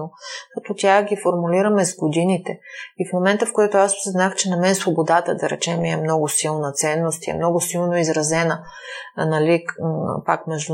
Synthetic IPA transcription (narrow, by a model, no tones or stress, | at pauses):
okɐt̪ɔt̪ʲjaɡifoɾmuliɾɐmɛzɡod̪init̪ɛifmomɛnt̪əfkojɛt̪ʊasɛznaxt͡ʃɛnɐmɛnsvobod̪at̪əd̪ɐɾɛ̰t͡ʃɛmiɛmnɔɡʊsilˠnət̪sɛnːost̪jɛ̰mnɔɡʊsilˠnoizɾɐzɛnə | nɐlipa̰kmɛʒd̪u